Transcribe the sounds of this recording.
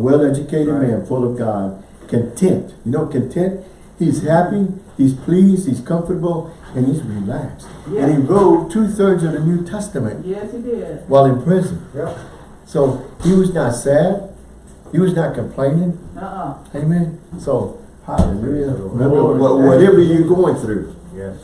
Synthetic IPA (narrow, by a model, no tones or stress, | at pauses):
əwɛlˠɛd͡ʒɨkʰeɪɾɨ̃d̚mæ̃nfʊlˠʌvɡɑd̥̚ | kʰɨ̃ntʰɛ̃ntjɨnoʊkɨ̃ntʰɛ̃nt̚ | hiz̥hæpihiz̥pʰl̥izd̥̚hiz̥kʰʌ̃ɱfə˞əbl̩ˠ | ɨ̃nizɹilækstɨ̃niɹoʊtʰʉθɜ˞dzʌvðɨnʉtʰɛstɨmɨ̰̃nt̚ | waɪlˠɨ̃npʰɹ̥ɪzɨ̃n | soʊhiwʌznətsæd̥̚ | hiwʌznət̚kʰɨ̃mpʰl̥ẽɪ̃nɪ̃ŋ | eɪmɛ̃nsoʊ | ha | ʌwʌɾɛvə˞jɨɡoʊɪ̃ŋθɹʉ | j